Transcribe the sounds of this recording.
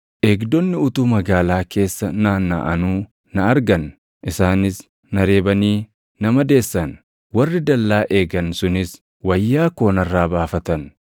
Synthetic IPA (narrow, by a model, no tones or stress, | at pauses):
ʔeːɡd̪ɔnːɪʊt̪uːmɐɡaːlaːkʰe̞ːsːɐnaːnːa̰ʔɐnuː | nɐɐɾɡɐn | ʔɪsaːnɪs | nɐɾe̞ːbɐniː | nɐmɐd̪e̞ːsːɐn | wɐrːɪd̪ɐlːaːʔe̞ːɡɐnsʊnɪs | wɐjːaːko̞ːnɐrːaːbaːfɐt̪ɐn